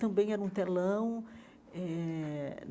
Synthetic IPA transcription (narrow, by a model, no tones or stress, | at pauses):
t̪ɐ̃mbẽj̃ɛɾũt̪elɐ̃w̃ | ɛ